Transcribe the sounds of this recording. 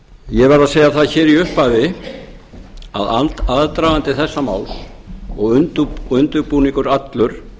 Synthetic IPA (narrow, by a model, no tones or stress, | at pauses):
jɛvɛɾaðseːjaθaðçɛːɾiʏhpavɪ | a̰ða̰lt̪aðt̪ɾaːɣant̪ɪθɛsːama̰ːwlɔɣʏnt̪ʏnt̪ʏɾpuniŋkʏɾat̪lʏɾ̥